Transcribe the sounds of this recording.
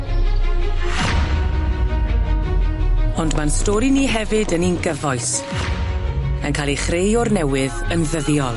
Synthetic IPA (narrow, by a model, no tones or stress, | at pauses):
ɔndmanstɔɾiniːɦɛvɨdəninɡəvɔjs | ənkʰaːlˠiχrejɔrnɛwɪðənðəðjɔlˠ